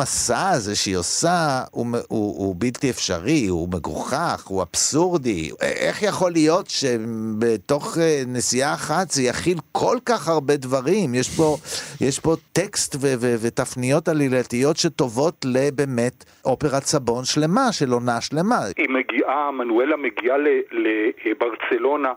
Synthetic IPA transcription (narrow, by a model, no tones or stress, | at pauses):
asazeʃeosaumuubiltiefʃa̰ʁiume̞ɡṵχaχua̰b̥suʁdiʔḛχjaχo̞lijo̞tʃebeto̞χenesijaːχat̪zejaχilkʰo̞lkaχhaʁbe̞dvaʁimjeʃbo̞jeʃbo̞t̪ekstvevevet̪afnijo̞talilatijo̞tʃe̞to̞vo̞tle̞beːme̞t | ʔo̞pe̞ʁat͡sabo̞nʃle̞maʃe̞lo̞naʃle̞maimeɡiʔamanuelameɡialelebaʁt͡selo̞na